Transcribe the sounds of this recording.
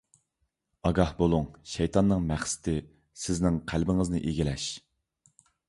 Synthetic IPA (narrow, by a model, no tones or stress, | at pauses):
ɑɡɑhbolˠuŋʃɛjt̪ʰɑnːɨŋmæχsɪ̥t̪ʰɪ | sɪznɪŋqʰælbɪŋɨznɨʔeɡʲilɛʃ